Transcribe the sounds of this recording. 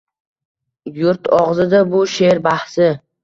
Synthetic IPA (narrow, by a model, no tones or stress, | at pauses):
jʊɾt̪ɒʁzɪd̪abʊʃe̞ɾbahsɪ